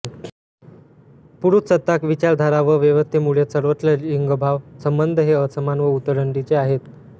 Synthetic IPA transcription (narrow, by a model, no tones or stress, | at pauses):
puɾut̪sət̪ːakʋit͡ɕaɾd̪ʱaɾaʋəʋeʋəst̪ʰemuɭesəɾʋət͡sləɾiŋɡəbʱaʋsəmbənd̪ʱəɦeəsəmanʋəut̪əɾəɳʈit͡seaɦet̪